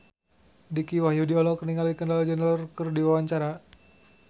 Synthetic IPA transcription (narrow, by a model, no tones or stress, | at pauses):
dikiwahjudiɔlɔkəniŋalikəndalad͡ʒənɾərkərdiwawaɲt͡ʃaɾa